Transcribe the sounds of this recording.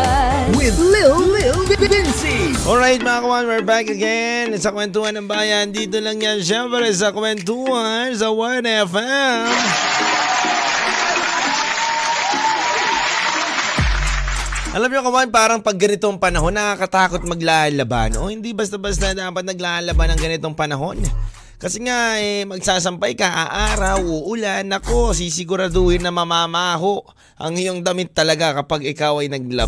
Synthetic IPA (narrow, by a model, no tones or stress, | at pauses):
wɪlɪ | bɪnsiʔolɹajt̪̚mɐakɐwanwiɹbakɐɡɛnsɐkwɛnt̪uɐnːɐŋbaːjɐnd̪iːt̪o̞lɐŋjɐnʃɛmpɾɛs̬ɐkwɛnt̪uɐns̬ɐwanɛfɛm | ʔɐlamɲokɐwanpaːɾɐŋpɐɡːɐnɪt̪o̞ŋpɐnɐɦo̞nːɐkakɐt̪aːko̞t̪̚mɐɡlaːlɐba̰nʔoːhɪnd̪ibɐst̪ɐbɐst̪ɐd̪aːpɐt̪̚nɐɡlaːhɐlɐbanɐŋɡɐnɪt̪o̞ŋpɐnɐɦo̞n | kɐsɛŋaɛmɐɡ̚saːs̬ɐmpajkɐʔaʔaːɾɐwoʔʊlanːɐko̞s̬isɪɡʊɾɐd̪oːhɪnːɐmɐmaːmaːɦo̞ʔ | ʔɐ̰ŋɪjoŋd̪ɐmɪt̪ːɐlɐɡakɐpaɡɪkawɐjnɐɡ̚lɐ